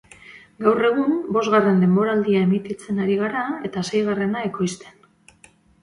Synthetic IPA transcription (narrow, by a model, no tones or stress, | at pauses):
ɡawre̞ɣ̞umbo̞zɣare̞nd̪e̞mbo̞ɾald̪iae̞mit̪it͡se̞naɾiɣaɾae̞t̪ase̞jɣare̞nae̞ko̞jst̪e̞̥n